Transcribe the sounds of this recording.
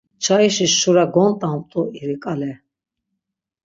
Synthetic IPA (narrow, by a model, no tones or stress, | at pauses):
t͡ʃʰaiʃisːuɾaɡɔnt̪ʼamt̪ʼuiɾikʼalɛ